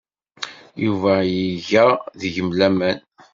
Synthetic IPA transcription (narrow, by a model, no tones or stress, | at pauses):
juvæjəʝæðʝəmlæmæn